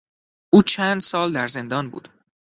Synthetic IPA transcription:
ʔuːt͡ʃʰænd̪sɒːld̪æɾze̞nd̪ɒːnbṵːd̪̥

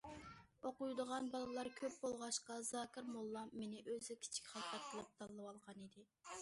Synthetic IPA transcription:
oqujd̪əʁɑnbɑlˠɨlˠɑɾkʲʰøp̚bolˠʁɑʃqɑzɑːkʲɪɾmolˠːɑmːenɪʔøzɪkʲʰi̥t͡ʃʰi̥kʲχɑqɑt̪̚qʰəlˠɨp̚t̪ʰɑlˠːɨwɑlˠʁɑnid̪ɪ

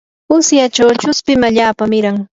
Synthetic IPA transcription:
ʊsjat͡ʃawt͡ʃʊspɪmaʎaːpamɪɾaŋ

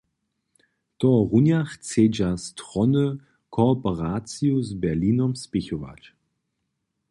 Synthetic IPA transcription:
tɔʁunjaχt͡seːd͡ʒastʁɔnə | kʰɔpəʁaːt͡siuzbɛɐliːnɔmspɪçova̰t͡ʃ

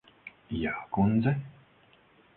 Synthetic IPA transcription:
jaːkund̪zɛ

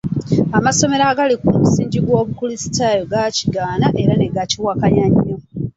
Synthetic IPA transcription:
amaso̞me̞ɾaɡalikumusiːɲɟiɡwo̞ːβukulisi̥tajoɡaci̥ɡaːnaʔe̞ɾane̞ɡaciwakaɲaɲːo

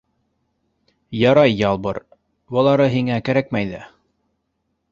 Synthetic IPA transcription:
jɑɾɑjːɑlˠbɤ̰ɾ | bɤ̆lˠɑɾɤɦiŋækæɾæk̚mæjðæ

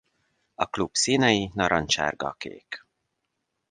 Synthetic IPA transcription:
ɒklubsiːnɛjinɒɾɒnt͡ʃa̰ːrɡɒ̰kḛːk

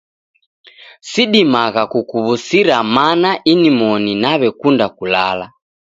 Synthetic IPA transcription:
siɗimaɣakukuβusiɾamanaʔinimɔninaβɛkundakulala

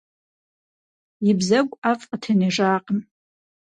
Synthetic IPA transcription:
ibzakʷʼafʼqʼatʰaniʐaːqʼən

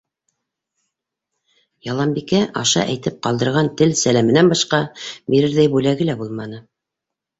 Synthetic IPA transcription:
jɑlˠɑmbikæʔɑʃɑ̰ʔæ̰jt̪ɘp̚qɑlˠd̪ɤ̆ɾʁɑnt̪ɘlsælæmɘ̆nænbɑʃqɑbiɾɘɾðæjbʉlæɡɘlæbulˠmɑnɤ

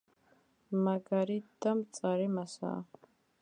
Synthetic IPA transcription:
maɡaɾid̪ɐmt͡sʼaɾimasa̰

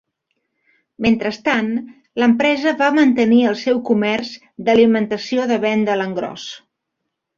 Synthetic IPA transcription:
ment̪ɾəst̪an | ləmpɾɛzəβamənt̪əniəlˠsɛwkumɛrz | d̪əlimənt̪əsioðəβɛnd̪ələŋɡɾɔ̰s

